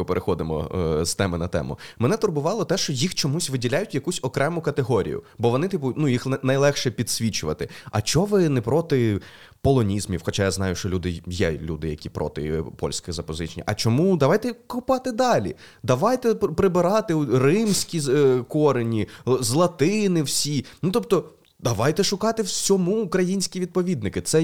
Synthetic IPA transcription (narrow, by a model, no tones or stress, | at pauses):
ʊpeɾʔexɔd̪ɪmɔ̰st̪ɛmɪnɐt̪ɛ̰mʊ̰mɛnɛt̪ʊrbʊʋɑlˠɔt̪ɛʃt͡ʃɔjixt͡ʃɔmusʲʋɪdʲilʲajʊtʲjɐkusʲɔkɾɛmʊkɐt̪eɦɔɾʲḭjʊ̰bɔʋɔnɪt̪ʲipʊnujixnɐjlˠɛxʃɛpʲid̪̥ʲsʲʋʲit͡ʃʊʋɐt̪ɪɐ̰t͡ʃɔʋɪnɛpɾɔt̪ɪ | pɔlˠɔnʲizmʲiwxɔt͡ʃajaznɑjʊʃt͡ʃɔlʲud̪ɪjɛlʲud̪ɪjɐkʲipɾɔ̰t̪ɪ̰pɔ̰lʲsʲkɪɣzɐpɔzɪt͡ʃenʲḭʔɐ̰t͡ʃɔmud̪ɐʋɑjt̪ɛkʊpɑt̪ɪd̪ɑlʲḭ | d̪ɐʋɑjt̪ɛpɾɪbɪɾɑt̪ɪwrɪmsʲkʲikɔɾenʲizlˠɐt̪ɪnɪwsʲinʊt̪ɔp̚t̪ɔ | d̪ɐʋɑjt̪ɛʃʊkɑt̪ɪwsʲɔmuːkɾɐjinʲsʲkʲiʋʲid̪̚pɔʋʲid̪nɪkɪt̪sɛ